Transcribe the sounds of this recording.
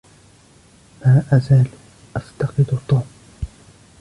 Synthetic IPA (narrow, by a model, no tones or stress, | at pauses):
maːʔazaːl | ʔaft̪ɑqɨd̪ʊt̪ˤːuːm